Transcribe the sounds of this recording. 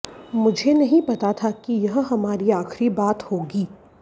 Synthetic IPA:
mʊd͡ʒʱenɐɦĩpɐt̪at̪ʰakijɐɦɦɐmaːɾiaːxɾibaːt̪hoːɡiː

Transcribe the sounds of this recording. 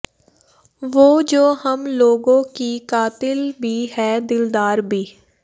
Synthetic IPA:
ʋoːd͡ʒoːɦəmloːɡõkikaːt̪ɪlbʱiɦɛːd̪ɪld̪aːɾbʱiː

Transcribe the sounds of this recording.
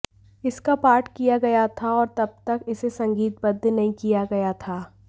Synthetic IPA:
ɪskapaːɾʈkijaɡɐjat̪ʰaɔːɾt̪ɐb̚t̪ɐkɪsesɐ̃ŋɡiːt̪̚bɐd̪ʱːnɐɦĩkijaɡɐjat̪ʰaː

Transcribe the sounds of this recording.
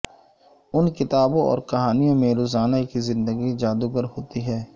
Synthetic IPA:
ʊnkɪt̪aːbõɔ̰ːɾkɐɦaːnijõmẽɾoːzaːnakizɪ̃nd̪əɡid͡ʒaːd̪uɡəɾɦoːt̪iɦɛː

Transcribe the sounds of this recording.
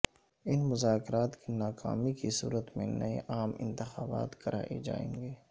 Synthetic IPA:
ɪnmʊzaːkɪɾaːt̪kinaːka̰ːmikisṵːɾət̪mḛ̃nɐeʔaːmɪ̰̃nt̪ɪxaːba̰ːt̪kɐɾʔa̰ːʔḛd͡ʒa̰ːḛ̃ːŋɡeː

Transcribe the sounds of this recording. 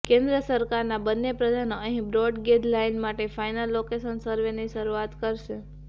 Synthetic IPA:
kẽnd̪ɾəsəɾkaɾnabənːepɾəd̪ʱanoəɦĩbɾɔɖɡed̪lainmaʈefajnəlːokesənsəɾʋeniʃəɾuat̪kəɾʃe

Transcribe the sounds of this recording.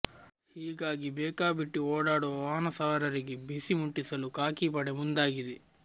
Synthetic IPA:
hiːɡaːɡibɛːkaːbiʈːioːɽaːɽuʋɐaːnɐsaːɐɾɐɾiɡebisimuʈːisɐlukaːkiːpɐɽemund̪aːɡid̪e

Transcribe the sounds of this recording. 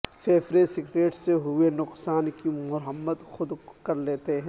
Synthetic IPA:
fʰeːfɾesɪkɾeːʈseɦʊenʊqsaːnkimʊɾɦəmːət̪xʊd̪kɐɾleːt̪eɦɛ̃

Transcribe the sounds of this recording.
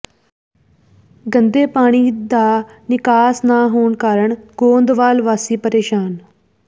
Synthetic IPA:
ɡənd̪eːpaːɽ̃iːd̪aːnɪkaːsnaːɦoːɳkaːɾəɳɡõːnd̪ʋaːlʋaːsiːpəɾeːʃaːn

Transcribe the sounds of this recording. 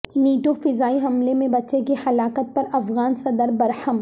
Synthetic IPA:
niːʈofɪzaːiɦɐmlemẽbɐtːʃekehɐlaːkət̪̚pɐɾɐfɣaːnsɐd̪əɾbɐɾhəm

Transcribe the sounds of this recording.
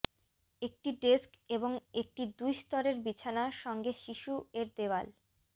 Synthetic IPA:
ek̚ʈiɖeskeboŋek̚ʈid̪ujst̪ɔɾeɾbit͡ɕʰanaʃɔŋɡeʃiʃueɾd̪ewal

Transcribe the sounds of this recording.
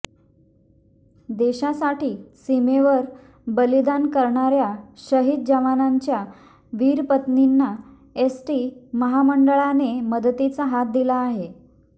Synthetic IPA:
d̪eɕasaʈiːsimeʋəɾ | bəlid̪ankəɾɳaɾjaɕəɦid̪̚d͡ʑəʋanaɲt͡ɕja | ʋiːɾpət̪ninːa | esʈiməɦaməɳɖəɭaneməd̪t̪it͡saɦat̪̚d̪ilaːɦe

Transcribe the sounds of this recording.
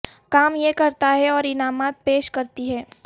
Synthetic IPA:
kaːmjekɐɾt̪aɦɛɔːɾɪnaːmaːt̪̚peːʃkɐɾt̪iɦɛː

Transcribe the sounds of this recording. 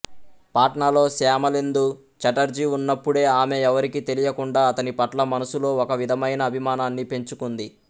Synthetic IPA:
paːʈɳalo̞ːsaːmɐlend̪u | t͡ʃɐʈɐɾd͡ʒiunːɐpːuɽe̞ːaːme̞ɛʋɐɾikit̪e̞lijɐkuɳɖaːɐt̪ɐnipɐʈlɐmɐnusulo̞ːɔkɐʋid̪ʱɐmɐjnɐːbʱimaːnaːnːipe̞ɲt͡ʃukund̪i

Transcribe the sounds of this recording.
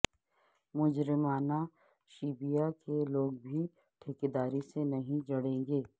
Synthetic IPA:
mʊd͡ʒɾɪmaːna | ʃiːbijakeloːɡbʱi | ʈʰɪked̪aːɾisenɐɦĩd͡ʒɐɽẽːŋɡeː

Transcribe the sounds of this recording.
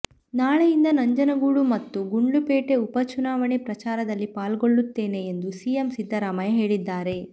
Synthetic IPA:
naːɭejind̪ɐnɐɲd͡ʒɐnɐɡuːɽumɐt̪ːuɡuɳɖupeːʈe̞upɐt͡ʃunaːʋɐɳepɾɐt͡ʃaːɾɐd̪ɐlːipaːlɡoɭːut̪ːe̞ːne̞ːnd̪usiemsid̪ʱːɐɾaːmɐjɐɦe̞ːɭid̪ːaːɾe̞

